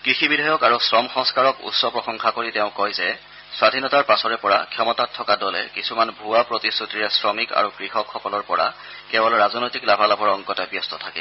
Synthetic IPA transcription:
kɹixibidʱajɔkaɹusɹɔmxɔ̃ŋskaɹɔkṵtsɔpɹɔxɔŋxʰakoɹiteʊ̃kɔjzɛ | swadʱinɔtaɹpasɔɹɛpɔɹa̰kʰjɔmɔtatʰːɔkadɔlɛ̰kisumanbʱuwapɹotisɹutiɹɛsɹɔmika̰ɹukɹixɔkʰːɔkɔlɔɹpɔɹa̰ | kɛbɔlɹazɔnɔjtiklabʱalabʱɔɹɔŋkɔtabjɔstɔtʰakɛ̰

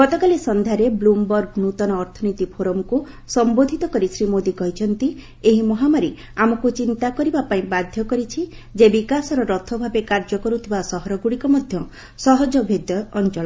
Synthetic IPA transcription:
ɡɔt̪ɔkalesɔnd̪ʱaɾeblumbɔɾɡnut̪ɔnɔːɾt̪ʰɔnit̪ipʰoɾɔmku | sɔmbod̪ʱit̪ɔkɔɾisɾimod̪ikɔɦit͡ʃʰɔnt̪i | eɦimɔɦamaɾi | amɔkut͡ʃint̪akɔɾibapaĩbad̪ʱjɔkɔɾit͡ʃʰi | d͡ʒebikasɔɾɔɾɔt̪ʰɔbʱabekaɾd͡ʒɔkɔɾut̪ʰibasɔɦɔɾɔɡuɽikɔmɔd̪ʱjɔ | sɔɦɔd͡ʒɔbʱed̪ʱjɔːnt͡ʃɔɭɔ

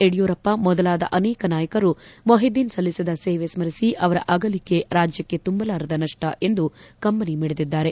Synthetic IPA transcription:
eɽijuːɾɐpːɐmɔd̪ɐlaːd̪ɐ̰ʔɐnɛːkɐnaːjɐkɐɾumoɦid̪iːnsɐlːisid̪ɐseːʋesmɐɾisiʔɐʋɐɾɐ̰ʔɐɡɐlikːe̞ɾaːd͡ʒjɐkːe̞t̪umbɐlaːɾɐd̪ɐnɐʂʈɐʔe̞nd̪ukɐmbɐnimiːɽed̪id̪ːaːɾe̞

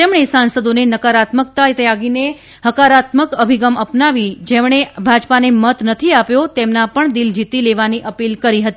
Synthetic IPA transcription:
t̪emɳ̃esansəd̪onenəkaɾat̪mək̚t̪ajt̪eaɡine | həkaɾat̪məkəbʱiɡəməpnaʋid͡ʒemɳ̃ebʱad͡ʒpanemət̪nət̪ʰiapjot̪emnapəɳd̪ild͡ʒit̪ileʋaniʔəpilkəɾiɦət̪i

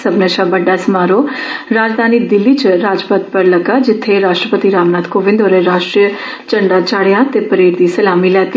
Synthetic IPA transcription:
səbneʃaːbəɖːaːsəmaːɾoːɾaːd͡ʒd̪aːniːd̪ɪlːiːt͡ʃɾaːd͡ʒpət̪̚pəɾləɡaːd͡ʒɪt̪ʰːeɾaːʃʈɾəpət̪iːɾaːmnaːd̪koːʋɪ̃nd̪oːɾeɾaːʃʈɾiə | t͡ʃəɳɖaːt͡ʃaːɽejãːt̪eːpəɾeːɾd̪iːsəlaːmiːlɛːt̪i

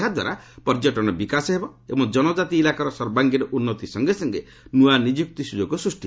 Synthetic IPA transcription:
ad̪wa̰ɾapɔɾd͡ʒɔʈɔñɔbikasɔɦebɔebɔŋd͡ʒɔnɔd͡ʒat̪iːlakaɾɔsɔɾbaŋɡiɾɔʔunːɔt̪isɔŋɡesɔŋɡe | nuanid͡ʒuk̚t̪isud͡ʒɔɡɔsɾusʈi

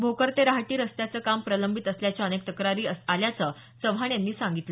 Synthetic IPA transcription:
bʱokəɾt̪eɾaɦʈiːɾəst̪jat͡səːkampɾələmbʱit̪əsljat͡ɕjaənek̚t̪əkɾaɾiːəaljat͡səː | səʋɦaɳjanːiːsaŋɡit̪lə

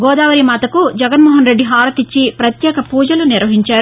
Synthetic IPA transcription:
ɡɔːd̪aːʋɐɾimaːt̪ɐkud͡ʒɐɡɐnmɔːɦɐnɾe̞ɖːiɦaːɾɐt̪it͡ʃːipɾɐt̪jɛːkɐpuːd͡ʒɐluniɾʋɐɦiɲt͡ʃaːɾu

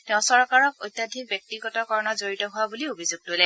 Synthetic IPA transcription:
tɛʊ̃sɔɹkaɹɔkojtjadʱik̚bjɔk̚tiɡɔtɔkɔɹɔnɔzoɹitɔɦʊwabuliobʱizuɡ̚tojlɛ

